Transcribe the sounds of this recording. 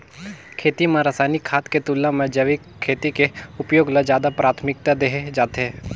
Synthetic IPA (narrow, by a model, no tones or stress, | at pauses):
kʰeːt̪imãɾasaːnikʰːaːt̪ket̪ulːãmẽd͡ʒəʋi | kʰːeːt̪ikeʊpjoːɡlad͡ʒjaːd̪apɾaːt̪ʰmɪk̚t̪ad̪eɦed͡ʒaːt̪eɦɛ